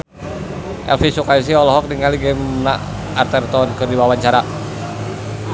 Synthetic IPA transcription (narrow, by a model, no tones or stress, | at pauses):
ʔɛ̰lfisukais̬iɔlɔɦɔk̚diŋaliɡɛmnaʔ | art̪ɛrt̪ɔnkɨrdiwawaɲt͡ʃaɾa